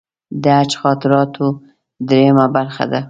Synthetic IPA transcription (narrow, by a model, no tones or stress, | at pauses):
d̪əat͡ʃxɑt̪ɪɾɑt̪ʰo | d̪ɾejmabaɾxa̰d̪a